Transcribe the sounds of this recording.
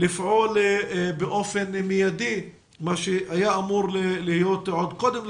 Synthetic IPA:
lifʕolbeʔofenmijad̪i | maʃehajaamuɾlelihijot̪ʕod̪kod̪em

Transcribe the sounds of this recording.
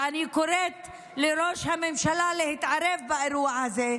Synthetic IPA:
ʔanikoɾet̪ | leɾoʃhamemʃalalehit̪ʕaɾevbaeɾuahaze

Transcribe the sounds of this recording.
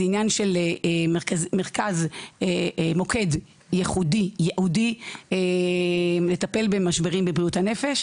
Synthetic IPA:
injanʃel | meʁkazemoke̞d | jeχudijeʔudie | le̞tape̞lbemaʃbeʁimbebʁiuthane̞feʃ

